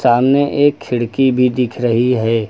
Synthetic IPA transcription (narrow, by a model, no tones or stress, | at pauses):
saːmneʔeːkʰːɪɽkibʱid̪ɪkʰɾəɦiɦɛː